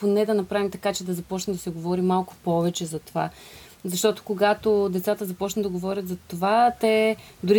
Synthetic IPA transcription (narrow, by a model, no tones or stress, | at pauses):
ponɛd̪ɐnɐpɾavimt̪ɐkat͡ʃɛd̪ɐzɐpɔt͡ʃnɛd̪ɐsɛɡovɔɾimalˠkʊ̥pɔvɛt͡ʃɛzɐt̪ova̰ | zɐʃt̪ɔt̪o̥koɡat̪od̪ɛt̪sat̪əzɐpɔt͡ʃnəd̪ɐɡovɔɾʲət̪zɐt̪ovat̪ɛ | d̪ʊɾi